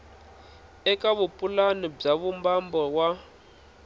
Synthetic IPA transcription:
ɛkaβupʼulanib͡ʐaβumbambɔwa

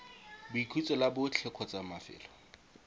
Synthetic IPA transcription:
bʊikʰit͡sʼɔlabʊt͡ɬʰɛkʰɔt͡samafɪ̰ːlɔ

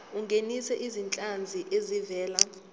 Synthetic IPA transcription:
uŋɡʱenisɛʔizint͡ɬʼand͡zʱiʔezivɛːla

